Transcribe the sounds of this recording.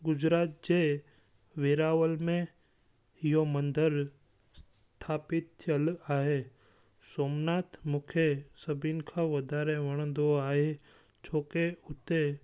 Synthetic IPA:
ɡʊd͡ʒɾaːt̪̚d͡ʒe | ʋeːɾaːʋəlmẽ | ɪjomə̃nd̪əɾ | s | t̪ʰaːpɪt̪ʰjəlaːɦe | soːmnaːt̪ʰmʊkʰesɐbinkʰaʋɐd̪aːɾeʋɐɽ̃ə̃nd̪oaːɦe | t͡ʃʰoːkeʊt̪e

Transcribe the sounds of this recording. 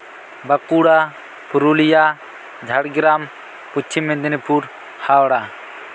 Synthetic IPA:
bɐkuɽa | pʰuɾulija | d͡ʒʱɐɽɡɾam | put͡ʃʰimẽd̪inipʰuɾ | hawɽa

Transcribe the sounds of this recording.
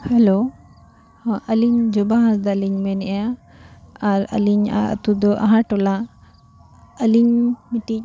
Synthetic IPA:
hɛlo | hʔəliɲd͡ʒɔbaɦãsd̪aliɲmɛnɛjaː | ɾə̰liɲa̰ə̰t̪ud̪ɔʔa̰ɦãʈɔla | əliɲmiʈi

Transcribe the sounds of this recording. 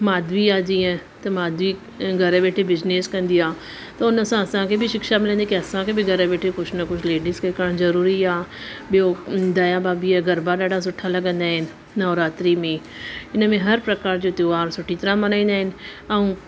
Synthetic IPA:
maːd̪ʱʋiaːd͡ʑiẽt̪ɐmaːd̪ʋi | ɡʱɐɾɓeːʈʰebɪzneːskɐ̃nd̪ijaː | t̪ɐʊnə̆sãɐsãkʰebʱɪʃɪkʃamɪlə̃nd̪ikiɐsãkʰebɪɡʱɐɾəɓeːʈʰekʊt͡ʃʰnɐkʊt͡ʃʰleːɖiskekaːɾɽ̃zɐɾuːɾiaːɓijod̪ɐjabaːbiɛɡɐɾbaɗaːɖʱas̬ʊʈʰalɐɡə̃nd̪aːɦɪnɪ̆ | nɐːɾaːt̪ɾimẽ | ɪnə̆mẽɦɐɾpɾɐkaːɾd͡ʑoːt̪joaːɾsʊʈʰit̪ɐɾãmɐnaːĩːnd̪aːɦɪnɪ̆ɛ̃ũː

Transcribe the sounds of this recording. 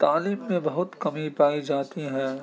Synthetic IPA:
t̪aːliːmːẽbɐɦʊt̪kɐmipaːid͡ʒaːt̪iɦɛ̃ː

